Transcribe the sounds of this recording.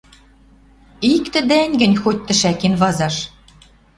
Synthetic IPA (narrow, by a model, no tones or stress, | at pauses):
ikt̪ɘ̆d̪æŋʲɡɘ̆nʲxot̚ʲt̪ɘ̆ʃækinvɑzɑʃ